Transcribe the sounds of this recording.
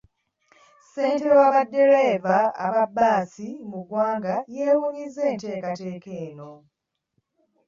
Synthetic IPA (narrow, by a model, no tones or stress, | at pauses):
se̞ːnte̞waβadːe̞ɾevaa̰βabːaːsimuɡwaːŋɡaje̞ːwuːɲizːe̞ːnte̞ːkate̞ːke̞ːno̞